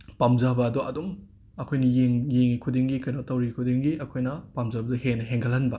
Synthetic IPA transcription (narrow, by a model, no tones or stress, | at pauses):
pamzabɐːdɔʔɐdum | ɐkʰojnɐjeŋjeŋikʰudiŋɡikɐjnotɐwɾikʰudiŋɡiɐkʰojnɐpamzabɐdɐhenɐɦeŋɡʰɐlhɐnbɐ